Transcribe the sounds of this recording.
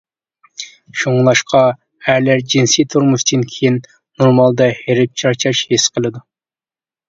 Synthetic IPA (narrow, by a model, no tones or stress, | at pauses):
ʃoŋlˠɑʃqɑ | æɾlæɾd͡ʒinsijt̪ʰuɾmuʃt̪ʰɨnkʲʰejin | noɾmɑlˠd̪ɑheɾɪp̚t͡ʃʰɑɾt͡ʃʰɑʃhesqʰəlˠɨd̪u